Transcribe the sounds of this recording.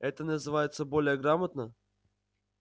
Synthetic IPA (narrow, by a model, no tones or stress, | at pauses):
ɛt̪ənəzɨvajɪt̪səbolʲɪjəɡɾamət̪nə